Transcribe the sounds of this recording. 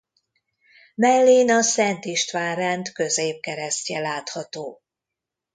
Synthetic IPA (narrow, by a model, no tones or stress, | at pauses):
mɛlːeːnɒsɛnt̪iʃt̪ʋaːrɛnt̪kø̞zeːp̚kɛɾɛscɛlaːt̪hɒt̪oː